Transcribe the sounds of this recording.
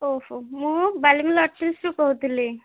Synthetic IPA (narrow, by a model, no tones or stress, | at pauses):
oɦomũbalimilɔʈʰːisɾukɔɦut̪ile